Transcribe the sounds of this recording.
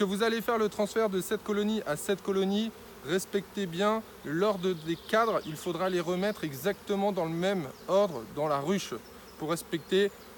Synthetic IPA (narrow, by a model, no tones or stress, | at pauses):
kəvuzalefɛʁlət̪χɑ̃sfɛʁd̪əsɛt̪̚kɔlɔniʔasɛt̪kɔlɔni | ʁɛspɛk̚t̪ebjɛ̃ | lɔʁd̪əd̪ekad̪ʁilfod̪ʁaleʁəmɛt̪χɛɡzak̚t̪əmɑ̃d̪ɑ̃ləmɛmɔʁd̪ʁd̪ɑ̃laʁyʃ | puʁːɛspɛk̚t̪e